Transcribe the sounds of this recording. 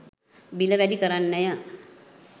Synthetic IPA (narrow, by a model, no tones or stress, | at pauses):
biləʋɛɖikəɾanːɛjə